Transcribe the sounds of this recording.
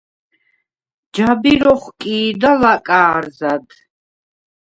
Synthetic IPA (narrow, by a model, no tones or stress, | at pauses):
d͡ʒabiɾɔχkʼiːd̪alakʼaːɾzad̪